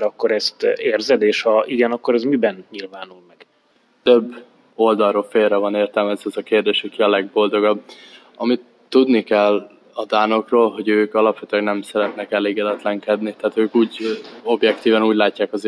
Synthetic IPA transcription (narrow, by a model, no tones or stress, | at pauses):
ɒkːoɾɛst̪eːrzɛd̪eːʃhɒiɡɛnɒkːoɾɛzmibɛnɲilvaːnulmɛɡ̥ | t̪øbː | o̞ld̪ɒlroːfeːlrɛvɒneːrt̪ɛlmɛzɛzɒkeːrd̪eːʃɒkiɒlɛɡ̚bo̞ld̪o̞ɡɒb | ɒmit̪ːud̪nikɛlː | ɒd̪aːno̞kroːlɦo̞ɟøːkɒlɒpʋɛt̪ylɛɡnɛmsɛɾɛt̪nɛkɛleːɡɛd̪ɛt̪lɛŋkɛd̪nit̪ɛːt̪øːkuːɟo̞bjɛkt̪iːvɛnuːɟlaːcːaːkɒz